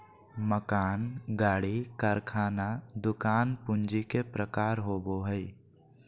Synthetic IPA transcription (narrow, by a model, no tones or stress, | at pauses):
məkaːnɡaːɽikəɾkʰaːnad̪ʊkaːnpʊnd͡ʒikepɾəkaːɾɦoːboɦəi